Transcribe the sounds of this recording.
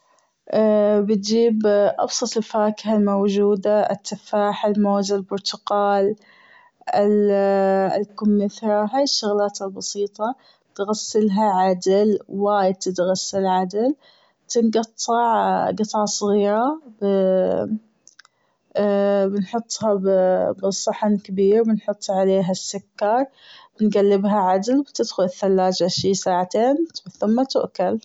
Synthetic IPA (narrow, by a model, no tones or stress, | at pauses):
ʔabɪt̪d͡ʒiːbʔɑ̰bsˤɑt̪ˤɪlfaːkhalmowd͡ʒuːd̪aɪ̰t̪ʰːafaːħalmoːzalbʊɾt̪ʊqɑːl | ɪl | ɪ̰lkʊmːɪθaɦaːjɪʃːʊɣlaːt̪albɑsiːt̪ˤɑ | t̪ɣasːɪlɦaʕad̪ɪlwaːjɪd̪̚t̪ɪt̪ɣasːalʕad̪ɪl | bt̪ɪnɡɑt̪ˤːɑʕɡɨt̪ˤɑʕsˤɣɪːɾɑb | bɪnħʊt̪ˤːhabbɨsˤːɑħankabiːɾbɪnħʊt̪ˤːʕaleːɦasːʊkːɑɾˤ | bɪnɡalːɪbɦaʕad̪lbt̪ɪd̪xʊlɪθːalːaːd͡ʒʕɪʃiːsaːʕat̪eːnθʊmːat̪ʊʔkal